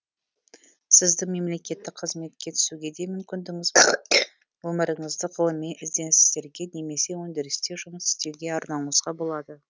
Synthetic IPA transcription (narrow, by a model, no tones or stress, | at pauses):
sɪzd̪ɪme̞mle̞kʲe̞t̪ːɪk̚qʰəzme̞t̪̚kʲe̞t̪ʰʏ̥suɡʲe̞d̪emʏmkʲɪnd̪ɪŋɪzb | wɵməɾəɴəzd̪əʁəlˠəmːenʔɪzd̪e̞nsɪzd̪e̞ɾɡʲe̞ne̞me̞se̞wɵnd̪eɾɪst̪e̞ʒʊməsɪ̥st̪e̞wɡʲe̞ɑɾnɑɴəzʁɑbo̞lˠɑd̪ə